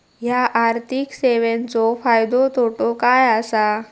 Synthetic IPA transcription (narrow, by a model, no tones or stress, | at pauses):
ɦjaʔaɾt̪ʰikseʋent͡sɔfajd̪ot̪ʰoʈokajasa